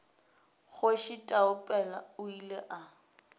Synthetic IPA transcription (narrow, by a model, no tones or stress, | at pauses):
ɣʊʃitʼaʊpʼɛlaʊileʔa